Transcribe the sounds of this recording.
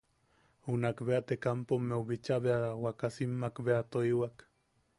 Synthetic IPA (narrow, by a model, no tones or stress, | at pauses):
unakbeat̪ekampomːeuβit͡ʃaβeawakasimːakbeat̪oiwak